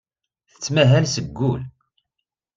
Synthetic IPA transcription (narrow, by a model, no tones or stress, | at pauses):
θə̥t͡sːmæɦælsəɡːul